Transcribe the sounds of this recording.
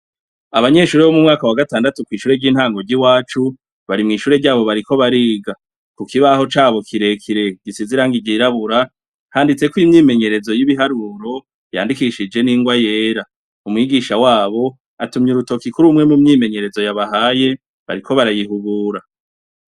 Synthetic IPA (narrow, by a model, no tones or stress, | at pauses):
aβaɲe̞ʃuːɾeβo̞mumŋaːkawaɡataːndatukwiːʃuːɾe̞ɾɟiːn̥haːŋɡo̞ɾɟiwaːt͡ʃu | βaɾimŋiːʃuːɾeɟaːβo̞βaɾiko̞βaɾiːɡa | kukiβaho̞t͡ʃaːβo̞kʰiɾe̞kʰiɾe̞ɡ̥isiziɾaːŋɡiɟiɾaβuɾa | haːndit͡se̞kwimɲiːme̞ɲe̞ɾe̞zo̞jiβiɦaɾuɾo̞ | ja̰ːndikiʃid͡ʒe̞niːŋɡwaje̞ːɾa | umŋiːɡiʃawaːβo̞ | atumɲiɾuto̞kikuɾumŋe̞mumɲiːme̞ɲe̞ɾe̞zo̞jaβaɦaje̞ | βa̰ɾikʰo̞βaɾajiɦuɡuːɾa